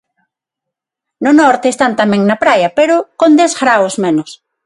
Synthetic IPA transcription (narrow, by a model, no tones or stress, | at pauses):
nʊnɔɾt̪eːst̪ant̪amɛ̃ŋnɐpɾajɐpeɾʊkond̪ɛzɣɾawosmẽnʊs